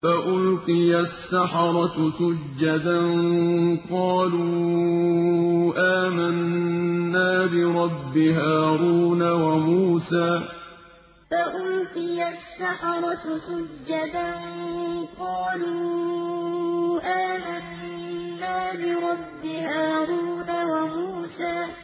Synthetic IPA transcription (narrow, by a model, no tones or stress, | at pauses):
faʔʊlqɨjasːaħɑɾˤɑsʊd͡ʒːad̪anqɑːluː | ʔaːmanː | aːbɪɾˤɑbːɪɦaːɾuːnawamuːsaː | faʔʊlt̪ɪjasːaħɑɾˤɑsʊd͡ʒːad̪anqɑːluː | ʔaːmanː | aːbɪɾˤɑbːɪhaːɾuːnawamuːsaː